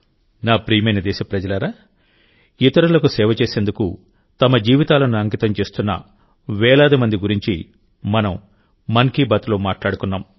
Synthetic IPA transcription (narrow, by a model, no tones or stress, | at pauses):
naːpɾiːmɐjnɐd̪ɛːʃɐpɾɐd͡ʒɐlɐɾaː | it̪ɐɾɐlɐkusɛːʋɐt͡ʃeːseːnd̪uku | t̪ɐmɐd͡ʒiːʋit̪aːlɐnuɐŋkit̪ɐmt͡ʃe̞ːst̪unːɐ̰ | ʋɛːɭaːd̪imɐnd̪iɡuɾiɲt͡ʃi | mɐnɐmː | ɐnkibɐt̪loːmaːʈlaːɽukunːaːm